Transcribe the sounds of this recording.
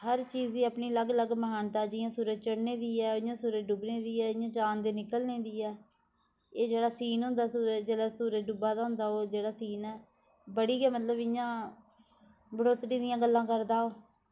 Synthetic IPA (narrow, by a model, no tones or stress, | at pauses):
həɾt͡ʃiːziːəpniːləɡləɡməɦaːnt̪aːd͡ʒɪjãːsuːɾəd͡ʒt͡ʃəɽneːd̪iːɛːojãːsuːɾəd͡ʒɖʊbneːd̪iːɛːɪjãːt͡ʃaːnd̪eːnɪkəlneːd̪iːɛː | eːd͡ʒeːɽaːsiːnɦʊ̃nd̪aːsuːɾəd͡ʒd͡ʒeːɽaːsuːɾəɖʊbaːd̪aːɦʊ̃nd̪aːoːd͡ʒeːɽaːsiːnɛː | bəɽiːɡɛːmət̪ləbɪjãː | bəɽoːt̪ɾiːd̪ɪjãːɡəlːãːkəɾd̪aːoː